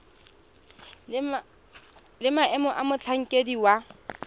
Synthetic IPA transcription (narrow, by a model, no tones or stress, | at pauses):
lɪmaɛmɔʔamʊt͡ɬʰaŋ̩kʼediwa